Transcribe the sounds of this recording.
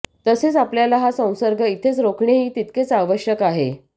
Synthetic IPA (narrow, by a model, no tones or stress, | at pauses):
t̪əset͡sapljalaɦasə̃w̃səɾɡʱəit̪ʰet͡sɾokʰɳeɦiːt̪it̪ket͡saʋəɕjəkaɦḛ